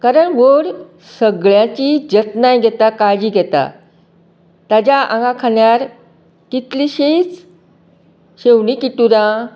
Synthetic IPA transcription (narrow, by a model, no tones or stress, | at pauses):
kaɾəɳʋəɽ | səɡɭjãt͡ɕid͡ʑət̪najɡʱɛt̪akaɭd͡ʑiːɡʱɛt̪a̰ | t̪ad͡ʑaʔã̰ŋɡãkʰanjaɾ | kit̪liɕejt͡s | ɕewɳikiʈuɾã